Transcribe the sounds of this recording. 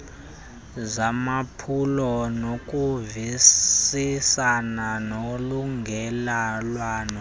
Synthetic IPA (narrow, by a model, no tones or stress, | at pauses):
zamapʰulɔnokʼuvisisananoluŋɡʱɛlalwaːnɔ